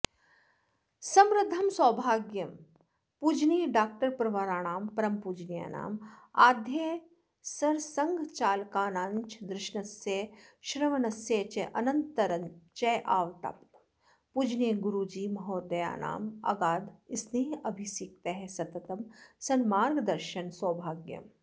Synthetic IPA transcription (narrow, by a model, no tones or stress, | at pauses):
sɐmɾɪd̪ʱɐmsɔːbʱaːɡjɐm | pud͡ʒniːɖaːk̚ʈɐɾpɾɐʋaɾaːɳ̃aːmpɐɾɐmpuːd͡ʒnija̰ːna̰ːmaːd̪ʱjeː | sɐɾsɐŋɡʱt͡ʃaːlkaːnaːnt͡ʃd̪ɾɪʃɳɐsjeʃɾɐʋɐnɐsjet͡ʃeʔɐnɐnt̪ɐɾɐnt͡ʃeʔaːʋt̪a̰ːp | pud͡ʒniɡʊɾud͡ʒiːmɐɦoːd̪ɐja̰ːna̰ːmɐ̰ɡaːd̪ɪsniːɐbʱisiːk̚t̪eɦɛsɐt̪ɐt̪ɐmsɐnmaːɾɡd̪ɐɾʃɐnsɔːbʱaːɡjɐ̰m